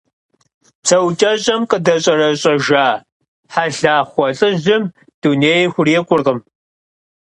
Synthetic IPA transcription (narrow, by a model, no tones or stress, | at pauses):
psʰɐwt͡ʃʼɐɕʼɐmqʼədɐɕʼɐrɐɕʼɐʒaː | ħaɮaːχʷɔɬʼɨʑɪm | d̥uneːjxʷʊreːkʷʼʊrʁəm